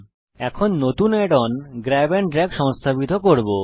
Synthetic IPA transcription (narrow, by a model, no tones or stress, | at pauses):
ɛkʰonːot̪uneɖɔnɡɾɛbenɖɾɛɡʃɔŋst̪ʰabit̪okoɾbo